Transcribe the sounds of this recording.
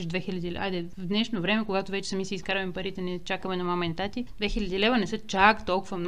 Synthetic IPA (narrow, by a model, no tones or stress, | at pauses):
ʒd̪vɛxilʲɐd̪ilɛa̰jd̪ɛ | vd̪nɛʃnovɾɛmɛkoɡat̪ovɛt͡ʃɛ̥sɐmisiskaɾvɐmpɐɾit̪ɛnɛt͡ʃakəmɛnɐmamɛnt̪at̪id̪vɛxilʲɐd̪ilɛvɐnɛsɤt͡ʃakt̪ɔlˠkʊvɐmn